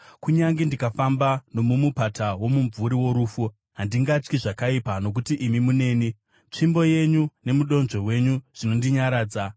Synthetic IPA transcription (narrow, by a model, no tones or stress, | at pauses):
kuɲaŋɡindikafambano̞mumupatʰawo̞muɱvuɾiwo̞ɾuːfu | ɦandiŋɡat͡ʃkiʐakaipano̞k̬utiʔimimune̞ːni | t͡ʂimbo̞je̞ɲune̞muɗo̞nʐo̞we̞ɲuʐ̥ino̞ndiɲaɾaːd͡za